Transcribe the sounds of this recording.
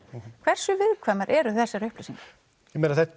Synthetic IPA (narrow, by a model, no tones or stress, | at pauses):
kʰv̥ɛr̥sʏvɪðkʰvaːmaɾʔɛɾʏθɛsːaɾʏhplesiŋkḁ | jɛmɛːnaθɛ